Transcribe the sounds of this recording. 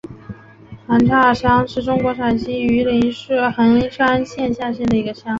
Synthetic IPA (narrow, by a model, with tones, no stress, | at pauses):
xa˧˥nʈ͡ʂʰa˥˩ʂɑ˥ŋʂɻ̩˥˩ʈ͡ʂʊ˥ŋkwɔ˧˥ʂʰa˨˩nɕi˥y˧˥li˧˥nʂxa˧˥ni˥ŋʂʰa˥nɕjɛ˥˧nɕja˥˧ɕjɛ˥˩nd̪ə˩i˧˥ɡə˧ʂʰɑ˥ŋ